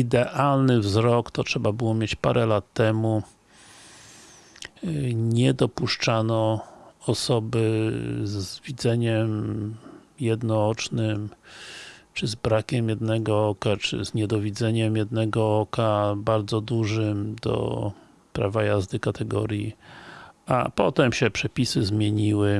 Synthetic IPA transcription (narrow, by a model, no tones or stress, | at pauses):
id̪ɛʔalnɘvzɾɔkt̪ɔtʂɛbabɘwɔmʲjet͡ɕpaɾʔɛlat̪ːɛmu | ɲɛd̪ɔpuʂt͡ʂanɔɔsɔbɘzvʲid̪zɛɲɛm | jɛd̪nɔɔt͡ʂnɘm | t͡ʂɘzbɾakʲɛmjɛd̪nɛɡɔɔkat͡ʂɘ̰zɲɛd̪ɔvʲid̪zɛɲɛmjɛd̪nɛɡɔɔkabaɾd̪zɔd̪uʐɘmd̪ɔ̰ | pɾavajazd̪ɘkat̪ʰɛɡɔ̰ɾʲji | a̰pɔt̪ɛmɕɛpʂɛpʲisɘzmʲjeɲiwɘ